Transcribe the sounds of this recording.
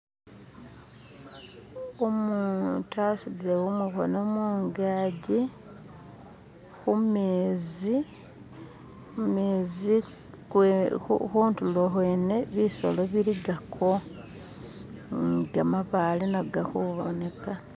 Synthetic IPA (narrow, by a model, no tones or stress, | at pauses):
omun̰tasudiɾewumuxo̰nomuːŋɡaːɟi | xumeːzi | meːzi | uxuːntuloxweːne̞βiso̰loβiliɡakʰo | ɡamaβaːlinaɡaxuβone̞ka